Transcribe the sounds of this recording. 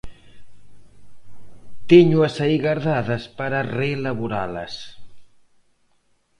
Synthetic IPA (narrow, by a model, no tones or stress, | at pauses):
t̪eɲuɐsaiɣaɾðaðɐspaɾarelɐβuɾa̰lɐ̰s